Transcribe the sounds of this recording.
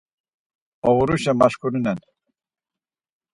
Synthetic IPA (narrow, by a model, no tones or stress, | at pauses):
ɔvuɾuʃɛmaʃkʰuɾunɛn